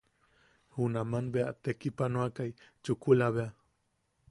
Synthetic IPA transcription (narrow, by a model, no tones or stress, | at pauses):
hunamanbeat̪ekipanoakajt͡ʃukulaβea